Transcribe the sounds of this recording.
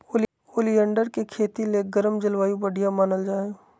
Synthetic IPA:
oː | oːlijə̃ɳɖəɾkekʰeːt̪ileɡəɾəmd͡ʒɪlʋaːjũbəɽʱijamaːnəld͡ʒaːe

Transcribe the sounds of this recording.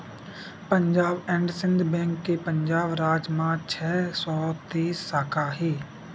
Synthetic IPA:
pəɲd͡ʒaːbɛ̃ːɳɖsɪ̃nd̪ʱbɛ̃ːŋkːepəɲd͡ʒaːbɾaːd͡ʒmãːt͡ʃʰɛːsɔːt̪eːsːaːkʰaːɦiː

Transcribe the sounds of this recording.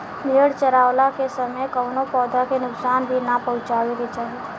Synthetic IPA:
mʱiəɽt͡ʃəɾaːwlakesɐməjkəːnopɔːd̪akenʊksaːnbʱinapɐɦʊ̃t͡ʃaːweket͡ʃaːɦie

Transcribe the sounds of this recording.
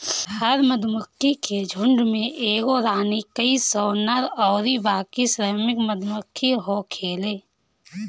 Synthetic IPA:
həɾməd̪məkʰːiked͡ʒʱʊ̃ɳɖmẽʔeːɡoɾaːnikəisɔːnəɾɔːɾibaːkisɾəmɪkməd̪ʱmʊkʰːiɦokʰeːleː

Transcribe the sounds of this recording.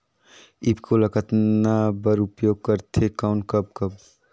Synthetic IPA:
ibkoləkət̪nabəɾʊpjoːɡ̚kəɾt̪ʰekaʊnkəb̚kəb

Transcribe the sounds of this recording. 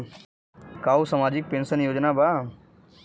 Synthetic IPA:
kaːusamaːd͡ʒɪk̚pẽːnsənjoːd͡ʒnaba

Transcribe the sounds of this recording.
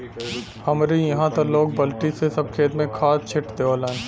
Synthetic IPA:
hɐmɾijɐɦãt̪ɐɾloːɡ̚bɐlʈisesɐb̚kʰeːt̪mẽkʰaːt͡ʃʰɪʈd̪eʋaːlan

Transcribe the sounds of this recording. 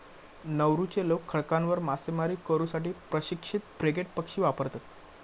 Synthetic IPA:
nəʋɾut͡ɕelokʰːəɭkãnʋəɾmasemaɾiːkəɾuːsaʈiːpɾəɕikʂit̪̚bɾekeʈpəkʂiːʋapəɾt̪at̪

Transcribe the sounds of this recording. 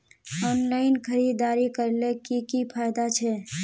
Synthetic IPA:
ɔnlaɪnkʰəɾid̪aɾikəɾlekikipʰajd̪at͡ʃʰɛ

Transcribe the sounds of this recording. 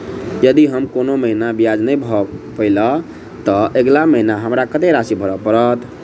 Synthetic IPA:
jəd̪iɦəmkonoməɦinabijad͡ʒnəjbʱɔpəɪlə | t̪əʔeɡlaməɦinaɦəmɾakət̪eɾasibʱəɾəpəɾət̪

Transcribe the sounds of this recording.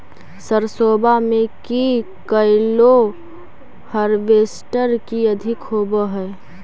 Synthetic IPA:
səɾsoːbamẽki | kəɪlo | həɾbeːsʈəɾkiəd̪ʱɪkɦoːbəɦɛ

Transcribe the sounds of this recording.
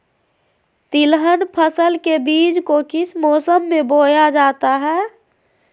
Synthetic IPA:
t̪ilɦənpʰəsəlkebiːd͡ʒkokɪsmɔːsəmːebojad͡ʒaːt̪aɦɛː

